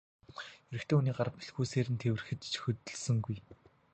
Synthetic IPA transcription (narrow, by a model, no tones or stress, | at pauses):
eɾɘ̆kt̪ʰeːuniːɢarə̆pi̥ɮxuːseːɾɘ̆nt̪ʰewɘrxɘ̆t͡ɕ̪t͡ɕxɵt̪ɵ̆ɮsə̆ŋɡuj